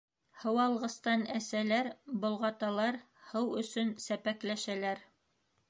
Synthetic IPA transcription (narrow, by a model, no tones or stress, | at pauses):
hɤ̆wɑlˠʁɤ̆st̪ɑnæsælæɾbŏlˠʁɑt̪ɑlˠɑɾ | hɤwɵ̆sɵnsæpæklæʃælæɾ